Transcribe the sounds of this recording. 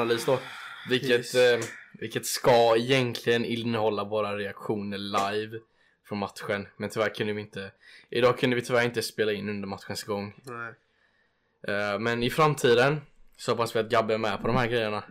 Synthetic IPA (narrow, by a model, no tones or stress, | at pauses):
nalyːsd̪ɔ | vɪlkːət̪vɪlkːət̪skaɛjɛnk̪ʰlɪɡənɪnːəhɔlːavoːɾaɾɛakɧuːnəɭajv | fɾɔnmat̪ɧənmɛnt̪ʰʏvæːɾkʰɵnd̪əvɪɪnt̪əʔɪd̪ɑːkʰɵnd̪əvɪt̪ʰʏvæːɾɪnt̪əspeːlaɪnːɵnd̪əɾmat̪ːɧənsɡɔŋː | mɛnɪfɾamt̪ʰiːd̪ənsɔhapasvɪat̪̚ɡabːəɛmɛpʰɔd̪ɔmhæːɾɡɾɛjːəɳa